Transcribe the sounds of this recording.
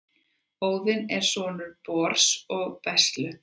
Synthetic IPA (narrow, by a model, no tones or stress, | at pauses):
hoːwðɪnɛɾ̥svɔːnʏɾpɔːɾ̥sɔɣpɛst̪lʏ